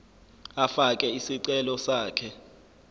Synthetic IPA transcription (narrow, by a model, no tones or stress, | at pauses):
afakʼɛisiǀɛlɔsaːkʰɛ